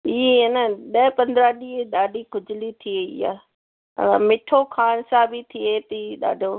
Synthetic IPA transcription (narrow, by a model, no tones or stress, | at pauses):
ienəɗəpɐ̃nd̪ɾaɗiːeɗaːɖʱikʊd͡ʑɪlit̪ʰieɪ̰jã̰ː | mɪʈʰokʰaːɽ̃sãbit̪ʰiet̪iɗa̰ːɖʱo